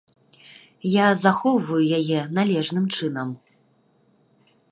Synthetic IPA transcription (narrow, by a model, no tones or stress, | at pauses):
jazaxɔwvɐjujajɛnalʲɛʐnɨmt͡ʂɨnɐm